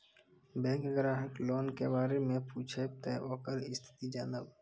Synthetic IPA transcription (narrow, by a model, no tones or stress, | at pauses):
bɛ̃ːkɡɾaːɦəkloːnkebaːɾemẽpuːt͡ʃʰet̪ɛːʔoːkəɾɪst̪ʰɪ̥t̪id͡ʒaːnəb